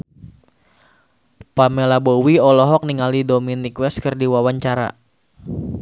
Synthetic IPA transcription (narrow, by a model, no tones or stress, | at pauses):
pamelabowiɔlɔɦɔk̚niŋalidominikwɛstkərdiwawaɲt͡ʃaɾa̰